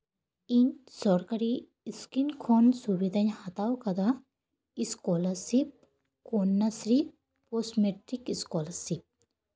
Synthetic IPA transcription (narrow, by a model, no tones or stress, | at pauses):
iɲsɔɾkɐɾi | skinkʰonsubid̪ʱɐɲhɐt̪awkɐd̪a | iskɔlɐsip̚ | konːɐsɾi | posmeʈɾikiskɔlɐsip̚